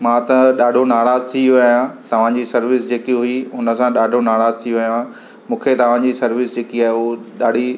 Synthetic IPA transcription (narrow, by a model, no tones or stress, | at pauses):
mãːt̪ɐɗaːɖʱonaːɽaːzt̪ʰiʋɐjãt̪ɐʋ̤ãd͡ʑiːsɐɾʋɪsd͡ʑeːkiɦʊiɦʊnə̆sãɗaːɖʱonaːɽaːzt̪ʰioʋɐjã | mũːkʰet̪ɐʋ̤ãd͡ʑiːsɐɾʋɪsd͡ʑeːkiaːeʊɗaːɖ̤ʱi